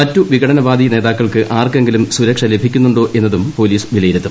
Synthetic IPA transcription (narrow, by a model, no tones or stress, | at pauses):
mɐtːuʋiɡɐɽɐnɐbaːd̪ine̞ːðaːkːɐɭkɨʔaːrkeŋɡilumsuɾɐkʂɐle̞bʱikʲːunːuɳɖo̞ːʔe̞nːɐðumpo̞ːliːsʋilɐjiɾut̪ːu